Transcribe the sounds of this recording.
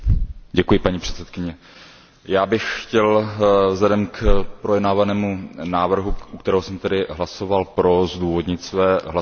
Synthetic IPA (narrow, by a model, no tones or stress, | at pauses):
ɟɛkujɪpaɲipr̝̥ɛ̥t̪sɛt̪̚kɪɲɛ | jaːbɪxxcɛlvzlɛdɛmkpɾojɛdnaːvanɛːmunaːvr̩ɦuʔukt̪ɛɾɛːɦosɛmt̪ɛdɪɦlaso̞valpɾo̞zduːvo̞dɲɪt̪svɛːɦla